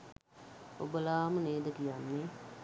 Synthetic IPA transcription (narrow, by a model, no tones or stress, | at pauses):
obəlaːməneːd̪əkijanːe